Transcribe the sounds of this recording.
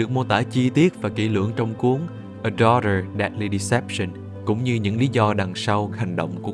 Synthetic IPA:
ɨ˨˩ək̚mo˧t̪a̰ː˧˩t͡ɕi˧t̪i˦˥ət̚vaː˨˩kḭ˧˩lɨ̰˧˨əŋt͡ɕɔ˧wŋ͡mku˨˦əŋ | ʔə˨˧˩ɗɔ˧ɾə˨˩ɗa˨˥t̚li˧ɗi˧sɛ˦˥p̚sə˧n | kʊ̰˧˥wŋ͡mɲɨ˧ɲɨ̰˧˥ŋli˨˦zɔ˧ɗa˨˩ŋsa˧wha˨˩jŋ̟ɗo̰˧˨wŋ͡mku˧˩ə

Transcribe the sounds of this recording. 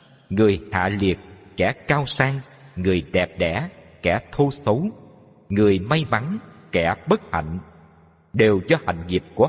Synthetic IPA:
ŋɨ˨˩əjha̰ː˧˨li˨˩ək̚kɛ˧˩kaː˧wsaː˧ŋ | ŋɨ˨˩əjɗɛ˨˩p̚ɗɛ̰˧˩˥kɛ˧˩t̪ʰo˧sə˨˦w | ŋɨ˨˩əjma˧jma˨˦ŋkɛ˧˩ɓə˦˥t̚ha̰˧˨jŋ̟ | ɗe˨˩wzɔ˧ha̰˧˨jŋ̟ŋi˨˩p̚ku˧˩

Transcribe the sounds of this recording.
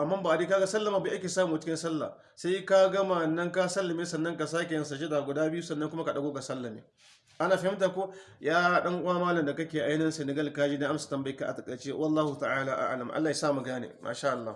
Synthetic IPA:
ʔa˨mːa˦mba˨a˨di˦ka˦ɡa˦sɐ˦lːa˨maː˨ba˨ʔa˦kʲeː˨sa˦muː˨t͡ʃɪ˦kʲɪ˦nsɐ˦lːa̰ː˨ | sa˦jka˦ɡɐ˦ma˨nːɐ˦ŋka˦sɐ˦lːa˨mɪ˦nsɐ˨nːɐ˦ŋka˨s̬aː˦k̬ʲe˨jɐ˨ns̬ɐ˨ʃ̬e˦da˨ɡʷʊ˨daː˦bɪ˦ju˦sɐ˨nːɐ˦ŋkʷʊ˦ma˦ka˨ɗa˨ɡoː˦ɡa˨sɐ˦lːa˨mḛː˦ | ʔa˦naː˨fa˦mɪ˦nt̬a˨kʷo˦jaː˦ɗɐ˦ŋʔʷaː˦maː˦lɐ˨nda˨kɐ˦kʲeː˨ʔa˦jnɛ˦nse˨ne˨ɡɐ˦lka˦d͡ʒiː˦da˦ʔa˦msḁ˨tɐ˨mba˦jka˦ʔa̰˨tɐ˨kʼɐ˨t͡ʃe˦wʔɐ˨lːaː˦hu˨ta˨aː˦laː˨ʔa̰˦ʕlɐ˨mʔa̰˦lːaː˨ja˨saː˦˨ma˨ɡaː˦nḛː˨mʔa̰˦ʃaː˦ʔa˨lːaː˦u˨

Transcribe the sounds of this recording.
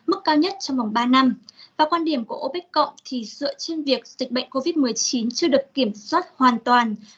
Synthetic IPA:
mɨ˦˥kːaː˧wɲə˦˥t̚t͡ɕɔ˧ŋ͡mva˨˩wŋ͡mɓaː˧na˧mvaː˨˩kwaː˧nɗi˧˩əmku˧˩əʔo˧ɓi˦˥k̟̚kə̰˧˨wŋ͡mt̪ʰi˨˩zɨ̰˧˨t͡ɕe˧nvi˨˩ək̚z̥ï˨˩k̟̚ɓə̰˧˨jŋ̟ko˧vi˦˥t̚mɨ˨˩əjt͡ɕi˨˦nt͡ɕɨ˧əɗɨ˨˩əkːi˧˩əmswaː˦˥t̚hwaː˨˩nt̪waː˨˩n

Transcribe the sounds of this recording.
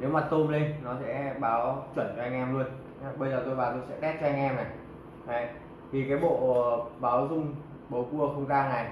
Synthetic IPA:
ne˨˦wmaː˨˩t̪o˧mle˧nnɔ˨˦sɛ̰˧˥ɓaː˨˦wt͡ɕwə˧˩nt͡ɕɔ˧a˧ŋ̟ʔɛ˧mlu˧ən˨˦ | ɓə˧jzəː˨˩t̪o˧jvaː˨˩t̪o˧jsɛ̰˧˥ɗɛ˦˥t̚t͡ɕɔ˧a˧ŋʔɛ˧mna˨˩j | ʔa˨˧˩ | t̪ʰi˨˩kaː˨˦jɓo̰˧˨˩ɓaː˨˦wzʊ˧ŋ͡m | ɓo˨˦ku˧əxə˧wŋ͡mzaː˧ŋna˨˩j

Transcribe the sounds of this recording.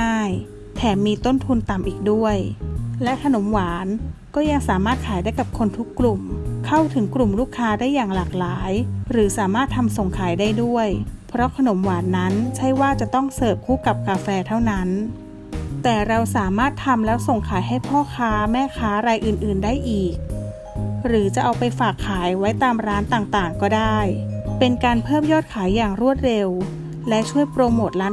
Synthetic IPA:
aː˥˩j | t̪ʰɛː˨˩miː˧t̪o˥˩nt̪ʰu˧nt̪a˨˩mʔiː˨˩k̚du˥˩əjlɛ˦˥ʔkʰa˧no˩˦mwaː˩˦nkɔː˥˩ja˧ŋsaː˨˩˦maː˥˩t̪̚kʰaː˩˦jdaː˥˩jka˨˩p̚kʰo˧nt̪ʰu˦˥kːlu˨˩mkʰa˥˩wt̪ʰɯ˩˦ŋklu˨˩mɾuː˥˩kʰːaː˧˥daː˥˩jːaː˨˩ŋlaː˨˩k̚laː˩˦jɾɯː˩˦saː˩˦maː˥˩t̪ʰːa˧mso˨˩ŋkʰaː˩˦jdaː˥˩jdu˥˩əjpʰɾɔ˦˥kʰa˧no˩˦mwaː˩˦nːa˦˥nt͡ɕʰa˥˩jwaː˥˩t͡ɕa˨˩t̪ɔ˥˩ŋsɤː˨˩p̚kʰuː˥˩ka˨˩p̚kaː˧fɛː˧t̪ʰa˥˩wna˦˥n | t̪ɛː˨˩ɾa˧wsaː˩˦maː˥˩t̪ʰːa˧mlɛ˦˥wso˨˩ŋkʰaː˨˩˦jɦa˥˩jpʰɔː˥˩kʰaː˦˥mɛː˥˩kʰaː˦˥ɾa˧jʔɯː˨˩nʔɯː˨˩ndaː˥˩jʔiː˨˩k̚ | ɾɯː˩˦t͡ɕa˨˩ʔa˧wpa˧jfaː˨˩kʰːaː˩˦jwa˦˥jt̪aː˧mɾaː˦˥nt̪aː˨˩ŋt̪aː˨˩ŋkɔː˥˩daː˥˩jpe˧nkaː˧npʰɤː˥˩mjɔː˥˩t̪̚kʰaː˩˦jːaː˨˩ŋɾu˥˩ət̪̚ɾe˧w | lɛ˦˥ʔt͡ɕʰu˥˩əjpɾoː˧moː˨˩t̪̚laː˦˥

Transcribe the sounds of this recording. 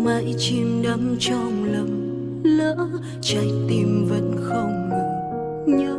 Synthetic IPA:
ma̰˧˨jt͡ɕi˧˩mɗə˨˦mt͡ɕɔ˧˩ŋ͡mlə˨˩m | ləː˧˥ | t͡ɕa˨˧˦jt̪i˧˩mvə̰˧˥nxə˧wŋ͡mŋɨ˨˩ | ɲɨ˧˦

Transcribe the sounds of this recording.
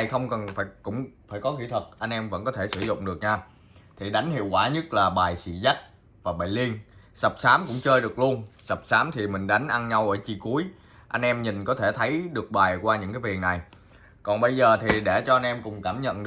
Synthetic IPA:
jxə˧wŋ͡mkə˨˩nfaː˧˩jkʊ̰˧˥ŋ͡mfaː˧˩jkɔ˨˦xi˧˥t̪ʰə˨˩t̚ʔa˧jŋ̟ʔɛ˧mvə̰˧˥nkɔ˨˦t̪ʰe˧˩sɨ˧˩zʊ̰˧˨ŋ͡mɗɨ˨˩ək̚ɲaː˧ | t̪ʰi˨˩ɗa˨˦jŋ̟hḭ˧˨əwkwaː˧˩ɲə˦˥t̚laː˨˩ɓaː˨˩jsḭ˧˩za˦˥k̚ | vaː˨˩ɓa̰ː˨˩jli˧ənsə˨˩p̚saː˨˦mkʊ̰˧˥ŋ͡mt͡ɕəː˧jɗɨ˨˩ək̚lu˧ənsə˨˩p̚saː˨˦mt̪ʰi˨˩mï˨˩ŋ̟ɗa˨˦jŋ̟ʔa˧nɲa˧wʔəː˧˩t͡ɕi˧˩ku˨˦əj | ʔa˧jŋ̟ʔɛ˧mɲï˨˩ŋkɔ˨˦t̪ʰe˧˩t̪ʰə˨˦jɗɨ˨˩ək̚ɓaː˨˩jkwaː˧ɲɨ̰˧˥ŋkaː˨˦vi˨˩əŋna˨˩j | kɔ˨˩nɓə˧jzəː˨˩t̪ʰi˨˩ɗe˧˩t͡ɕɔ˧a˧jnʔɛ˧mkʊ˨˩ŋ͡mkaː˧˩mɲə̰˧˨n

